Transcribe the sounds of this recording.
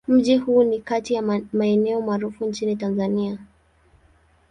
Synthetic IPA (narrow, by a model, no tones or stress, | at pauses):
m̩ʄihuːnikatijamaɛnɛɔmaːɾufuɲt͡ʃinitanzania